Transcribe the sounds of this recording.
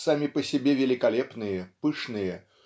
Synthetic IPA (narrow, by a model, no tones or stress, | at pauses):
samʲɪpəsʲɪbʲevʲɪlʲɪkɐlʲepnɨjəpɨʂnɨjə